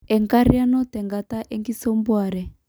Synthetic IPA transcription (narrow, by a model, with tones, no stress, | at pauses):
ɛ˨ŋka˦ɾi˦a˦nɔ˦tɛ˨ŋɡa˨ta˦ʔɛ˦ŋɡi˦sɔ˦mbwa˨ɾɛ˨